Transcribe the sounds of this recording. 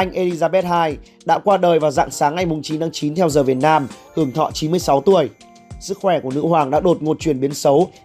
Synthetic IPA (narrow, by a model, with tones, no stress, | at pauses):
ʔa˧jŋ̟ʔe˧li˧zaː˧ɓɛ˦˥t̚haː˧j | ɗa̰ː˧˥kwaː˧ɗəː˨˩jvaː˨˩wza̰ː˧˨ŋsaː˨˦ŋːa˧jmʊ˨˩ŋ͡mt͡ɕi˨˦nt̪aː˨˦ŋt͡ɕi˨˦nt̪ʰɛ˧wzəː˨˩vi˨˩ət̚naː˧mhɨ˧˩əŋt̪ʰɔ̰˧˨t͡ɕi˨˦nmɨ˧əjsa˨˦wt̪u˧˩əj | sɨ˦˥k̚xwɛ˧˩ku˧˩ənɨ̰˧˥hwaː˨˩ŋɗa̰ː˧˥ɗo˨˩t̚ŋo˨˩t̚t͡ɕwi˨˩ənɓi˨˦ənsə˨˦w